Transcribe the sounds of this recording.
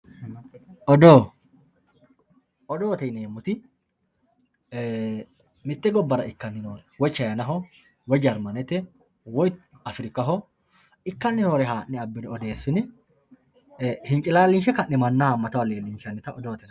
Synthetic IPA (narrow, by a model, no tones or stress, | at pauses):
ʔɔd̪oː | ɔd̪oːt̪ɛneːmːʊt̪ɪ | mɪt̪ːɛɡɔbːɐɾɐʔɪkːɐnːɪnoːɾɛwɔjt͡ʃːɐjɐnɐɦɔ | wɔjd͡ʒɐɾmɐnɛt̪ːɛ | wɔj | ɐfɪɾɪkʼːɐɦɔ | ɪkːɐnːɪnoːɾɛɦaːʔːɪɐbːɪnɪɔd̪e̞ːsːʊnɪ | hɪŋt͡ʃʼɪlaːlːɪnʃɛkɐnːɪmɐnːɐhɐmːɐt̪ɐwɐleːlːinʃɐnːɪt̪ɐɔd̪oːt̪ɛn